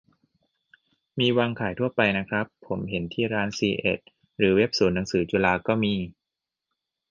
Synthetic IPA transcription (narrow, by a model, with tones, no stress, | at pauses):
miː˧waː˧ŋkʰaː˩˦jt̪ʰu˥˩ɐpa˧jna˦˥kʰɾa˦˥pʰːo˩˦mɦe˩˦nt̪ʰiː˥˩ɾaː˦˥nsiː˧ʔḛ˨˩t̪̚ | ɾɯː˩˦we˦˥p̚suː˩˦nːa˩˦ŋsɯː˩˦t͡ɕuː˧laː˧kɔː˥˩miː˧